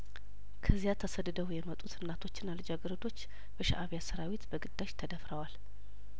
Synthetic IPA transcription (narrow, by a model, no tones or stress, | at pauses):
kʰəzijat̪ʰːəsəd̪ɨd̪əwjɛmət̪ʼut̪ʰɨnːat̪ʰo̞t͡ʃːɪnːalɨd͡ʒaɡɨɾəd̪o̞t͡ʃː | bəʃa̰ʔaβjasəɾawit̪bəɡɨd̪ːaʃt̪ʰəd̪əfɾəwal